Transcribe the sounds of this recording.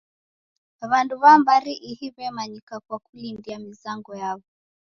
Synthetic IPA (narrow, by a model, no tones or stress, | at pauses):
βanduβambaɾiʔihiβɛmaɲikakwakulindiamizaŋɡɔjaβɔ